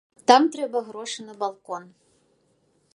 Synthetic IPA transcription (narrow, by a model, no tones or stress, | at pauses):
t̪ɑmt̪ɾʲɛbɐɣɾoʂɨnɐbɐlˠkon